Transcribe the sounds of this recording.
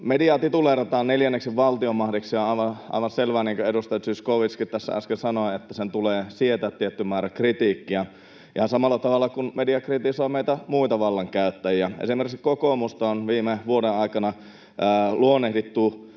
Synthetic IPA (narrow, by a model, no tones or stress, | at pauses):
mediɑːt̪it̪uleret̪ɑːnneljænːeksiʋʋɑlt̪iomɑhdiksseonɑˑiʋɑʔɑ̰ˑiʋɑnselʋæːniːŋkøedust̪ɑjɑt̪syskoʋiskitt̪æsːæ̰ɑ̰skelsɑnoɑet̪ːæsent̪uleːsiet̪æt̪ːiet̪ːymmæːɾækrit̪ikːiæ | ʔihɑnsɑmɑlːɑt̪ɑʋɑlːɑkunmediɑkrit̪isoːmeit̪æmuit̪ɑʋɑlːɑŋkæyt̪ːæjiæḛsimerkkokomust̪ɑonʋiːmeʋuodeɑˑikɑnɑː | luonːehdit̪ːu